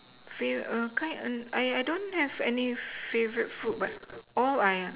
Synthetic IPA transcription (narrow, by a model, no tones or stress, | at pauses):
feʔʌkãɪ̃nə̃najajdõnhɛvɛnifevəɹit̚fut̚bat̚ɔlaja